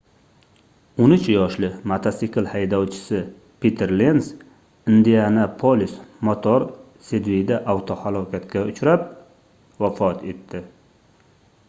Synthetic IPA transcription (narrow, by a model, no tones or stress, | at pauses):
onɪt͡ʃjɒʃlɪmat̪ʰasikʰɨlˠhajd̪ɒwt͡ʃʰɪ̥sɪ | pit̪ʰeɾlens | ɪnd̪ijanapʰolʲismot̪ʰoɾ | sed̪vijd̪aʔawt̪ʰohalˠɒkʲʰat̪kʲaʊt͡ʃɾap̚ | vafɒt̪ʰe̞t̪ːɪ